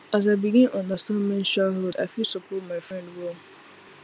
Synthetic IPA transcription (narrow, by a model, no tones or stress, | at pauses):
az̬aɪbiɡĩnʔɔ̃nasɔ̃mmɛ̃nʃaɦolda̰ɪfilsəpotmaɪfɹɛ̃ndwo